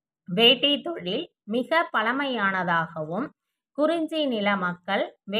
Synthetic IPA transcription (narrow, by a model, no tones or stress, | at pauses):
ʋeːʈːɪt̪ːɔɻɪl | mɪɣɐpːɐlɐmɐjaːnɐðaːɣɐʋɯm | kʊɾɪɲd͡ʒinɪlɐmɐkːɐɭʋe